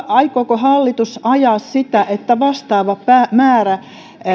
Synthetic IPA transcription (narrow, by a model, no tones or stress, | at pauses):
ɑikoːkohɑlːit̪usɑjɑːˑssit̪æʔet̪ːæʋɑst̪ɑːʋɑppæmæːræ